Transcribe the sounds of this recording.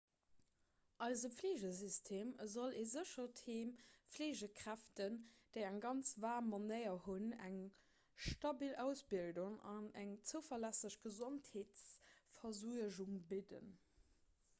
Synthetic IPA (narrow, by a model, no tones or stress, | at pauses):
ʔɑɪzəpfleːʑəzistʰeːmzoleːzəʃɐtʰeːmpfleːʑəkʰʁ̥æftənd̥əɪæŋɡɑnt͡svaːmonɜɪɐhunæŋ | ʃtɑbilæʊsbilduŋɑnæŋt͡səʊfɐlæsəɕɡ̥əzontheːt͡sfɐzuəʑuŋbidə̰n